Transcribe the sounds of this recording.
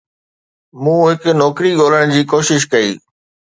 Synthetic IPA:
mũːɦɪkʊ̆nɔːkɾiɠoːl̤əɽ̃d͡ʑiːkoːʃɪʃkɐḭː

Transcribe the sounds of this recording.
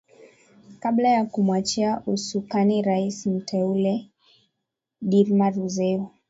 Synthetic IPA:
kaɓlajakumwat͡ʃiaʔusukaniɾaisim̩tʰɛulɛ | ɗiɾmaɾuzɛu

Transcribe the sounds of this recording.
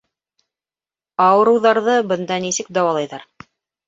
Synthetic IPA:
ɑwɤ̆ɾɤ̆wðɑɾðɤbɤ̆nd̪ɑnisɘk̚d̪ɑwɑlˠɑjðɑɾ

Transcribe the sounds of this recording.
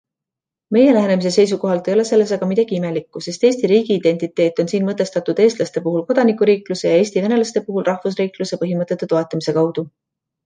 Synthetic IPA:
me̞je̞læɦene̞mis̬e̞se̞js̬uko̞ɦɑlt̪ejo̞le̞se̞lːe̞s̬ɑɡ̥ɑmid̪̥ɑɡ̥iime̞likːuse̞st̪eːsʲt̪iɾiːɡ̥iːd̪̥e̞nʲt̪it̪ːˑe̞ːt̪ːˑo̞nsiːnmɤt̪ːˑe̞st̪ɑt̪ːˑud̪̥e̞ːst̪lɑst̪e̞puɦulko̞d̪̥ɑnikːˑuɾiːkluse̞jɑeːsʲt̪ivene̞lɑst̪e̞puɦulrɑhvus̬riːkluse̞pɤɦimɤt̪ːˑe̞t̪ːet̪o̞e̞t̪ːˑɑmise̞kɑwd̪̥u

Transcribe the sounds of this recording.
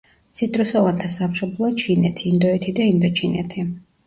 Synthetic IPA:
t̪sʰit̪ʼɾusɔvant̪ʰasamʃɔblˠɔt͡ʃʰinɛt̪ʰiːnd̪ɔɛt̪ʰid̪aind̪ɔt͡ʃʰinɛ̰t̪ʰi

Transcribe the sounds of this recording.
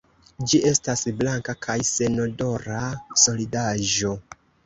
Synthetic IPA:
d͡ʒie̞stasblaŋkakʰajse̞no̞do̞ɾaso̞lidaʒo̞

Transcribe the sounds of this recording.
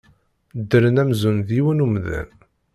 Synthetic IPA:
d̪ːəɾənæmzunðiwənumðæ̰n

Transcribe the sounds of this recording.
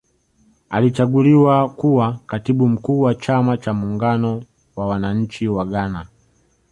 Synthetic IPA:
alit͡ʃaɡuliwakuwakatiɓum̩kuːwat͡ʃamat͡ʃamuːŋɡanɔ | wawanaɲ̩t͡ʃiwaɠana

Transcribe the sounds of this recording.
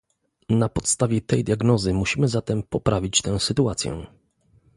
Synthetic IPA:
napɔt̪st̪avʲjɛt̪ɛjd̪ʲjaɡnɔzɘmuɕimɘzat̪ɛmpɔpɾavʲit͡ɕt̪ɛw̃sɘt̪uat̪sʲjɛ̰

